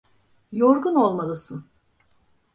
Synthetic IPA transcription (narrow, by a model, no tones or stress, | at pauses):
joɾɡuno̞lˠmalˠɯsɯn